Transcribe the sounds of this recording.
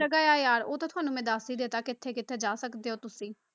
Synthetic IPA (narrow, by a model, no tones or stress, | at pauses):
əɡaːjaːjaːɾoːt̪ãt̪ʊɦaːnũːmɛ̃ːd̪aːsiːd̪eːt̪aːkɪt̪ʰːeːkɪt̪ʰːeːd͡ʒaːsəkd̪eːɦoːt̪ʊsĩː